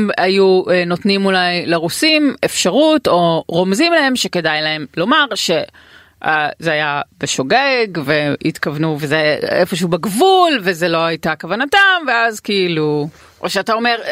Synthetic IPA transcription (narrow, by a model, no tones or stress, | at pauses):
majuno̞tnimulajleʁusimefʃaʁuto̞ʁo̞mzimlae̞mʃe̞ke̞dajlae̞mlo̞maʁʃe | azeajabeʃo̞ɡeɡveit̪kavnuvezeefo̞ʃehubeɡvulvezelo̞ajtakavanatamveazkiilu | ʔoʃeatao̞me̞ʁ